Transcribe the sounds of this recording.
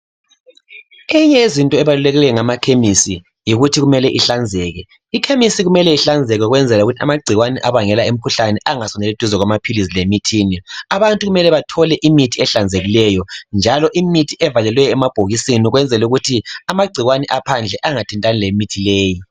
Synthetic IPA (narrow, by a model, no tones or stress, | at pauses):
iɲɛezintʼɔɛβalulɛɣɛɛŋamakʰemisi | jiɣutʰiɣumɛlɛʔiɬand͡zʱɛɣɛ | ikʰemisiɣumɛlɛiɬand͡zʱɛɣɛɣwɛnd͡zʱɛluɣutʰia̰maɡ͡ǀʱiɣwanɛʔaβaŋɛlaem̩kʰuɬanɛʔaŋasɔnɛlituzɔɣwamapʰilis̬ilemitʰiːniaβantʼuɣumɛlɛβatʰɔlɛʔimitʰiɛɬand͡zʱeɣilɛjɔnd͡ʒʱalɔʔimitʰiʔɛvalɛlwɛjɔɛmab̥ʱoɣisiniɣwɛnd͡zʱɛluɣutʰiamaɡ͡ǀʱiɣwanɛʔapʰand͡ɮʱɛʔaŋatʰintʼanilemitʰileːji